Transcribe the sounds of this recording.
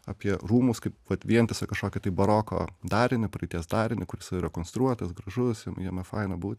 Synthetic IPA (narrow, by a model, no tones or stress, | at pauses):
ɐːpʲiɛruːmʊskɐɪpʋɐt̪ʋʲiɛnt̪ʲɐsʲɐkɐʃkoːkʲɪt̪ɐɪbɐɾoːko̰ːd̪ɑːɾʲɪnʲɪpɾɐɪt̪ʲiɛsd̪ɑːɾʲɪnʲɪkʊɾʲɪsɪɾʲɐkoːnst̪ɾuɔt̪ɐsɡɾɐʒʊsjiɛmjiɛmʲɛfɐɪnɐbuːt̪ʲ